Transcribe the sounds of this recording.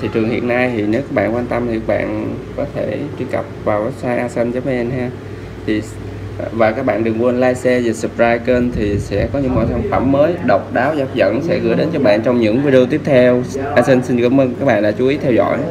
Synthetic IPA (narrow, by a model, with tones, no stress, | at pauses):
t̪ʰi˨˩t͡ɕɨ˨˩əŋhḭ˧˨ənːa˧jt̪ʰi˨˩ne˨˦wkaː˦˥k̚ɓa̰ː˧˨nkwaː˧nt̪ə˧mt̪i˨˩a˦˥k̚ɓa̰ː˧˨nkɔ˨˦t̪ʰe˧˩t͡ɕi˧ka˨˩p̚vaː˨˩wsaː˧jʔaː˧sɛ˧nzə˨˦ma˧˦ʔə˧nhaː˧ | t̪ʰi˨˩ | vaː˨˩kaː˦˥k̚ɓa̰ː˧˨nɗɨ˨˩əŋkwnlaː˧jsɛ˧ze˨˩sɨ˨˩p̚zaː˧jke˧nt̪ʰi˨˩sɛ̰˧˥kɔ˨˦ɲɨ̰˧˥ŋmɔ̰˧˨jsa˧nfə˧˩mːəː˨˦jɗə˨˩wk͡p̚ɗaː˨˦wzaː˨˦p̚zə̰˧˨nsɛ̰˧˥ɣɨ̰˧˩əjɗe˨˦nt͡ɕɔ˧ɓa̰ː˧˨nt͡ɕɔ˧wŋ͡mɲɨ̰˧˥ŋvi˧ɗe˧o˧t̪i˦˥əp̚t̪ʰɛ˧wʔaː˧sɛ˧nsi˧nkaː˧˨˦mʔəː˧nka˦˥k̚ɓa̰ː˧˨nɗa̰ː˧˥t͡ɕu˨˦ʔi˨˦t̪ʰɛ˧wzɔ̰˧˥˨j